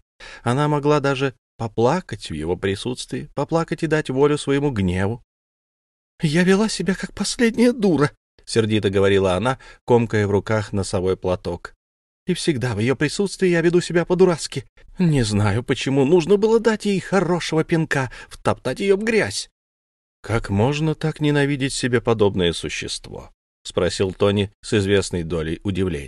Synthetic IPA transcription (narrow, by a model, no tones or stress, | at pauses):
ɐnamɐɡlˠad̪aʐɨ | pɐplˠakətʲvjɪ̰vo̞pɾʲɪsut̪st̪vʲɪɪpɐplˠakətʲɪd̪atʲvo̞lʲʊsvəjɪmuɡnʲevʊ | javʲɪlˠasʲɪbʲakak̚pɐsʲlʲedʲnʲɪjəd̪uɾə | sʲɪrdʲit̪əɡəvɐɾʲilˠəɐnako̞mkəjəvrʊkaxnəsɐvo̞jplˠɐt̪o̞k | ifsʲɪɡd̪avjɪjo̞pɾʲɪsut̪st̪vʲɪjːjavʲɪd̪usʲɪbʲapəd̪ʊɾaskʲɪ | nʲɪznajʊpət͡ɕɪmunuʐnəbɨlˠəd̪atʲjejxɐro̞ʂəvəpʲɪnkaft̪ɐpt̪atʲjɪjovɡɾʲæsʲ | kʰakmo̞ʐnət̪aknʲɪnɐvʲidʲɪtʲsʲɪbʲe̞pɐd̪o̞bnəjəsʊɕːɪ̰st̪vo̰ | spɾɐsʲilˠt̪o̞nʲɪsɨzvʲe̞snəjd̪o̞lʲɪ̰jʊdʲɪvlʲḛnʲ